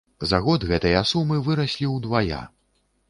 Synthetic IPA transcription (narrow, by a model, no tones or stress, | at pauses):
zaɣɔd̪ɣɛt̪ɐjasumɨvɨɾɐsʲlʲiwd̪vaja̰